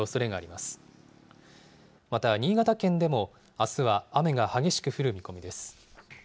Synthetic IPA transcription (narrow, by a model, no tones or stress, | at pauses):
oso̞ɾe̞ɡaːɾʲimasɨ̥ | mat̪aɲ̟iːɡat̪akẽ̞nd̪e̞mo̞ | asɨβaːme̞ɡahaɡe̞ɕi̥kɯ̟ɸɯ̟ɾɯ̟mʲiko̞mʲid̪e̞sɨ̥